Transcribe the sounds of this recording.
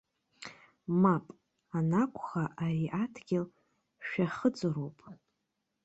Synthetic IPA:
mapʼ | anakʷʰʼχaʔaɾiʔatʰɡʲɪl | ʃᶣaχəd͡zɨɾowpʼ

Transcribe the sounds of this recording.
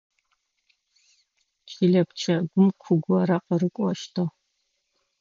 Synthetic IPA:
t͡ʃʰʼiɮɐpt͡ʃʰɐɡʷʊmkʷʰʊɡʷɔrɐqɐrɨkʷʼɔʃtʰɐ

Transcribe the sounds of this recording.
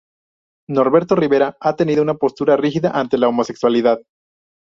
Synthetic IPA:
no̞ɾβe̞ɾt̪o̞riβe̞ɾaat̪e̞niðounapo̞st̪uɾarixiðaʔant̪e̞laomo̞se̞kswaliðað

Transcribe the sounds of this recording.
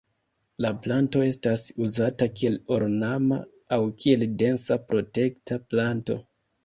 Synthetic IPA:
laplanto̞e̞stasuzatakie̞lo̞ɾnama̰ː | wkʰie̞lde̞nsapɾo̞te̞ktaplanto̞̰

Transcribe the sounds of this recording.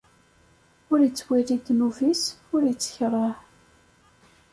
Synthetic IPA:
ʊɾjət͡sːwirid̪muvisʊɾjit͡sːə̥çɾˤɑħ

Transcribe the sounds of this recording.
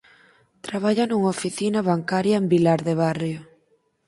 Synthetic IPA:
t̪ɾaβ̞aʎanuŋofiθinaβaŋkaɾjaembilaɾðeβ̞arjo

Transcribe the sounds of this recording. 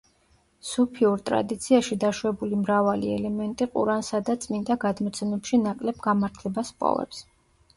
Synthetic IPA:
supʰiuɾt̪ʼɾa̰d̪it̪sʰiaʃid̪aʃwɛbulimɾavaliɛ̰lɛmɛnt̪ʼiqʼṵɾansad̪at̪sʼmind̪aɡad̪mɔt̪sʰɛmɛpʃinakʼlɛbɡamaɾt̪ʰlɛbaspʼɔ̰vɛ̰ps

